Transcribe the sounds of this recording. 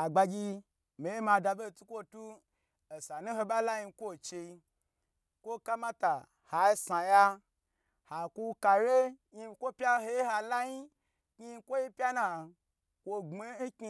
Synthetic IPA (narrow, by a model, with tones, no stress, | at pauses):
a˨ɡ͡ba˧ɡʲi˧ | me˨je˦ma˧da˧be˦˨tu˦kʷo˦tu˦ | e˨sa˨nu˦ho˧ba˦la˦ji˧kʷo˦˨t͡ʃe˧i˧ | kʷo˦ka˦ma˦ta˨ | ha˨i˦sa˨ja˦ | ha˨ku˦ka˧ɾe˦ji˧kʷo˦pʲa˦ho˧˦ji˦ha˧la˦ɲi˦ | ki˦˧kʷo˦ji˦pʲa˦na˨ | ko˧ɡ͡be˦n̩˦kʲi˧˦